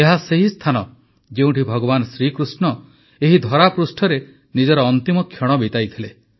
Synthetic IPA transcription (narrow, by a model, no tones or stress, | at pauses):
eɦaseɦist̪ʰanɔ | d͡ʒeũʈibʱɔɡɔbanɔsɾikɾusnɔ | eɦid̪ʱɔɾapɾusʈʰɔɾe | nid͡ʒɔɾɔːnt̪imɔkʰjɔɽ̃ɔbit̪ajt̪ʰile